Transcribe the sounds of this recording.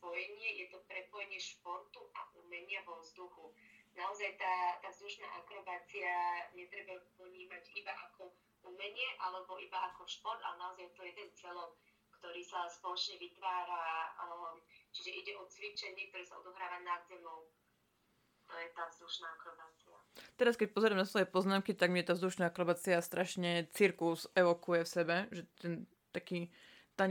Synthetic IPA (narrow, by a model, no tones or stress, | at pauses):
spɔjɛɲɪɛjɛt̪ɔpɾɛpɔjɛɲɪɛʃpɔɾt̪uʔa̰ʔumɛɲɪaʋɔvzd̪uxunaɔzajt̪aːt̪aːvzd̪uʃna̰ːʔakɾɔbaːt͡siaɲɛt̪ɾɛbapɔɲiːmaɟibaʔakʰɔ | umɛɲɪɛʔalɛbɔʔibaʔakɔʃpɔɾd̪a̰lɛnaɔzajɛt̪ɔjɛd̪ɛnzt͡sɪɛlɔʊ | kt̪ɔɾiːsaspɔlɔt͡ʃɲɛʋit̪ʋaːɾa | t͡ʃiʒɛʔiɟɛʔɔt͡sʋit͡ʃɛɲik̚t̪ɔɾɛːsaɔ̰d̪ɔɦɾaːʋanad̪zɛmɔʊ | t̪ɔjɛt̪aːvzd̪uʃnaːkɾɔbaːt͡sia̰t̪ɛɾaskɛc̚pɔzɛɾamnasʋɔjɛpɔznaːmkit̪aɡmɪɛt̪aːvzd̪uʃnaːakɾɔbaːt͡siast̪ɾʔaʃɲɛt͡siɾkuzɛʋɔkujɛfsɛbɛʒɛt̪ɛn | t̪akiː | t̪a